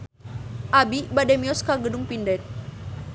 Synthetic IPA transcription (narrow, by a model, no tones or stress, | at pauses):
ʔabibadɛmiɔskaɡəduŋpindɛt̪̚